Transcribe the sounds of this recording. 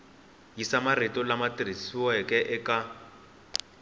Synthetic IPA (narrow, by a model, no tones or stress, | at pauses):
jisamaritɔlamatrisiwɛkɛʔɛka